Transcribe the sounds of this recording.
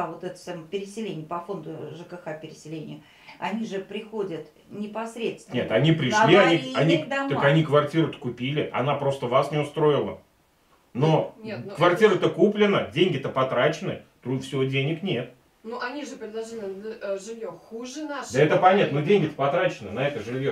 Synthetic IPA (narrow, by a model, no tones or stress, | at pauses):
avot̪ɛt̪ə̥sʲampʲɪɾʲɪsʲɪlʲenʲɪjəpɐfo̞nd̪ʊʐɨkəxapʲɪɾʲɪsʲɪlʲenʲɪjə | ɐnʲiʐɨpɾʲɪxo̞dʲət̪ | nʲɪpɐsɾʲet̪snʲet̪ɐnʲipɾʲɪʂlʲiɐnʲiiɐnʲid̪amokʲɐnʲikvɐrtʲiɾət̪ə̥kʊpʲilʲɪʔɐ̰napɾo̞st̪əvasnʲɪʊst̪ɾo̞ɪlˠə̰ | no̞kvɐrtʲiɾət̪əkuplʲɪnədʲenʲɡʲɪɛt̪əpɐt̪ɾat͡ɕɪnɨ̰t̪ɾufsʲɪvodʲenʲɪknʲe̞t̪̚ | nuʔɐnʲiʐɨpɾʲɪd̪lˠɐʐɨlʲɪʐɨvʲjoxuʐɨnad̪əɛt̪əpɐnʲat̪nodʲenʲɡʲɪɛt̪əpɐt̪ɾat͡ɕɪnɨnɐɛt̪əʐɨvʲjo